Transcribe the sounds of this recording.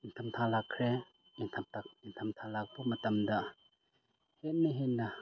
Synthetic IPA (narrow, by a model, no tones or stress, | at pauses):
intʰɐmtʰalakʰɾe | intʰamtakintʰɐmtʰalak̚bumɐtɐmdɐ | het̚niɦenːɐ